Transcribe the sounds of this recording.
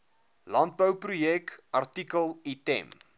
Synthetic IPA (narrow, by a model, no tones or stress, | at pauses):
lɑnt̚bəwprujɛkʔɑrtikəlˠitɛ̰m